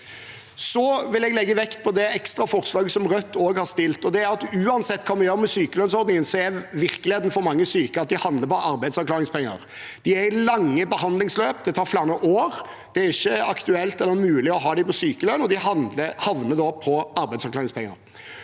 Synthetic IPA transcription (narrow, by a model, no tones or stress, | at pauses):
sɔʋɪlɛɡlɛɡːəʋɛkt̪̚pʰɔd̪ɛɛkst̪ɾɑfɔɾt̪slɑːɡəsɔmɾœt̪ːoːɡhɑɾst̪ɪlt̪ɔd̪ɛæɾɑt̪ʉːɑnsɛt̪ːkʰɑːmɛjøːɾəmɛsyːkəlœnsɔɾd̪nɪŋənsɔɛæʋɪɾkəlɪeːd̪nəfɔɾmɑŋːəsyːkəɾɑt̪̚d̪ɪhɑnd̪əɾpɔʔɑɾbæɪd̪sɑɾklɑːɾɪŋspʰɛŋːə̰ɾ | d̪̥ɪæɾɪlɑŋːəbəɦɑnd̪lɪŋsløːp̚d̪ɛt̪ʰɑːɾflæːɾnəʔoːɾ | d̪̥ɛæɾɪçːəɑkt̪ʉɛlt̪ɛlːəɾmʉːlɪɔɦɑːd̪ɪpɔsyːkəlœnɔd̪ɪhɑnəhɑʋnəd̪ɔpʰɔɑɾbæɪsɑɾklɑːɾɪŋspɛŋːə̰ɾ